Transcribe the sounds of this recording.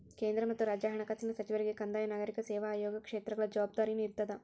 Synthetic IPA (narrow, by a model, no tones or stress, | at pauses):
keːnd̪ɾɐmɐt̪ːuɾaːd͡ʒaːɦɐɳɐkaːsinɐsɐt͡ʃiʋɐɾiɡekɐnd̪aːjɐnaːɡɐɾikɐsɛːʋaːjɔːɡɐkʂeːt̪ɾɐɡɐɭɐd͡ʒɐʋaːb̚d̪aːɾiniɾt̪ːɐd̪ɐ